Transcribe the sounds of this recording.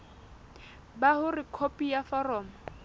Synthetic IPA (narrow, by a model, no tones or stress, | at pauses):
bahʊrɪkʰopʼijafarɔːmɔ